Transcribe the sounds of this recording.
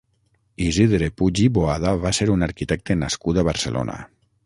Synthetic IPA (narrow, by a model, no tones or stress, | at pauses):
iziðɾepuʒiboaðaβaseɾunaɾkit̪ɛk̚t̪enaskut̪aβaɾselʔo̰nʔa̰